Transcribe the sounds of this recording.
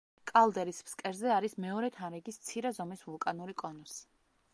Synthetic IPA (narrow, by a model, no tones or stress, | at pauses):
kʼalˠd̪ɛɾispskʼɛɾzɛaɾismɛɔɾɛt̪ʰanɾɛɡist̪sʰiɾɛzɔmisvulˠkʼanuɾikʼɔnɔs